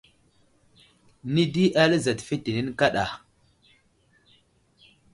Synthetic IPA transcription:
ni˦di˦ʔa˦lə˦za˨tfi˦ti˨ni˦n˦ka˦ɗa̰˨

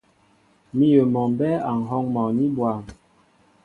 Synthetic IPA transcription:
mi˦jə˨mɔ˨m˨bɛ˦a˨ŋ̩˨ɦɔ˦ŋmɔ˨ni˦bwa˨m

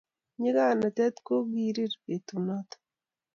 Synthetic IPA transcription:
ɲi˦ɡa˦˨na˨t̪ɛ˦t̪ko˦ɡi˨ɾi˦ɾe˨t̪u˨nɔ˦t̪

